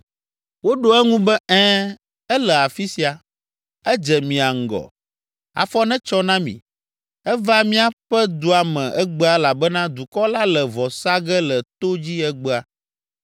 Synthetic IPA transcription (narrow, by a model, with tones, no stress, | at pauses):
wo˦ɖo˦ɛ˦ŋũ˦bɛ˦ɛ̃ː˦ | ɛ˦lɛ˨a˨fi˦si˨a˨ | ɛ˦d͡ʒɛ˨mĩ˨a˨ŋ̩˨ɡɔ̰˨ | a̰˨fɔ˦nɛ̃˦t͡ʃɔ˦nã˦mḭ̃˨ | ɛ˦va˦mĩ˦a˦ɸɛ˦d̪o˨a˨mɛ̃˨ʔɛ˦ɡ͡bɛ˦a˨la˨bɛ˦nã˦d̪u˨kɔ˦la˦lɛ˨vɔ˨sa˦ɡɛ˦lɛ˨t̪o˦d͡ʑi˦ɛ˦ɡ͡bɛ˦a˨